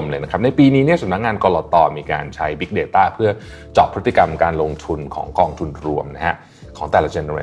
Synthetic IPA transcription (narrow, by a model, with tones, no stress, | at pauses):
mlɤː˧jna˦˥kʰp̚na˧jpiː˧niː˦˥ni˥˩ɐsa˨˦mna˦˥k̚ŋaː˧nkɔː˧lɔː˧t̪ɔː˧miː˧ka̰ː˧nt͡ɕʰa˦˥jbi˦˥k̚deː˧t̪aː˥˩pʰɯ˥˩ɐ | t͡ɕɔː˨˩pʰːɾɯ˦˥t̪ːi˨ka˧mkaː˧nlo˧ŋt̪ʰu˧nkʰɔ̰ː˩˦ŋkɔː˧ŋt̪ʰu˧nɾu˧əmna˦˥ha˦˥ʔ | kʰɔː˩˦ŋt̪ɛː˨˩la˦˥t͡ɕe˧ne˧ḛ˧